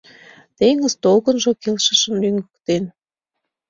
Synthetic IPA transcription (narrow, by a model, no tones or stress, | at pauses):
t̪eŋəzt̪olɣənʒokelʃə̆ʃə̆mlyŋɡə̥̆kt̪en